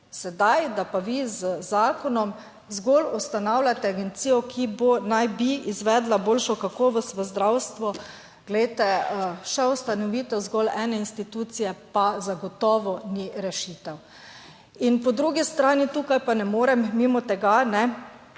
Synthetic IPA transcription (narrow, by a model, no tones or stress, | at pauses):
sɛd̪ajd̪apaʋizəzaːkɔnɔm | zɡɔlust̪anawlʲat̪ɛaɡɛnt̪siːjɔkʰibonajbiizʋɛd̪laboːlʃɔkakɔːʋɔst̪ʋəzd̪ɾawst̪ʋɔ | ɡ̥lɛjt̪ɛʃɛwst̪anɔʋiːt̪ɔzɡɔlɛːnɛinst̪it̪uːt̪sijɛpazaɡɔt̪ɔːʋɔniɾɛʃit̪ɛw | inpɔd̪ɾuɡist̪ɾaːnit̪uːkajpanɛmoːɾɛmːimɔt̪ɛɡanɛ